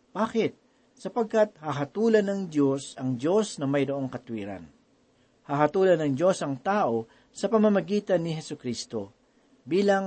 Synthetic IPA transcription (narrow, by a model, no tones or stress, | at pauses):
b̥aːkɪt̪̚ | sɐpɐɡ̚kɐt̪̚hɐɦɐt̪uːlɐnɐŋd̪jo̞sɐŋd̪o̞snɐmɐjɾoʔo̞ŋkɐt̪wiːɾɐ̰n | hɐɦɐt̪uːlɐnɐŋd͡ʒo̞sɐŋt̪aːʔo̞ | sɐpɐmɐmɐɡiːt̪ɐnːɪɦɛsʊkɾist̪o̞ | biːlɐŋ